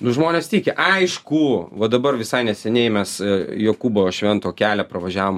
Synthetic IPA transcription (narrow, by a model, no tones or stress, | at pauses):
nʊʒmoːnʲeːst̪ʲiːkʲɪʔɐɪʃkuʋɐd̪ɐbɐrʋʲɪsɐɪnʲɛsʲɛnʲɛɪmʲɛsjoːkuːboʃʲʋʲɛnt̪oːkʲæːlʲɛpɾɐʋɐʒʲæːʋoːm